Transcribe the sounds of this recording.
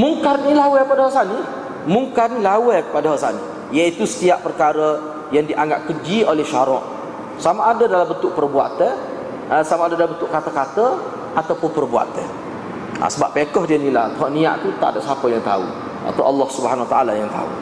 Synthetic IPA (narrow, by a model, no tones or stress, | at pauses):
muŋkarnilawɛəpadaɦɔʔsani | muŋkarnilawɛəpadaɦɔʔsanḭ | jait̪usə̥t̪iaʔpərkaɾə | jaŋdiʔaŋɡaʔkəd͡ʒiolɛhʃaɾɔʔ | samaʔːdədalambənt̪ʊʔ̚pərbua̰t̪ə | əsamaadadalambənt̪ʊʔkat̪əkat̪ə | ʔat̪awpʊnpərbua̰t̪ə | a̰səbaʔpːekɔhdiənilat̪əɦɔʔnĩa̰ʔt̪ut̪a̰ʔdaʔsapəjaŋt̪a̰ṵ | a̰t̪awʔɑlːɑhsubəɦanawat̪aalajaŋt̪a̰ṵ